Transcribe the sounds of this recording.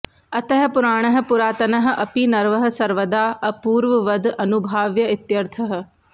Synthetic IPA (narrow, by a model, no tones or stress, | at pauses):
ɐt̪ɛɦpʊɾaːɽ̃əɦ̆pʊɾaːt̪ɐnɐɦ̆ʔɐpiːnɐɾʋəɦə̆sɐɾʋəd̪aːɐpuːɾʋəʋəd̪ɐnʊbʱaːʋjəɪt̪jɐɾt̪ʰəɦ̆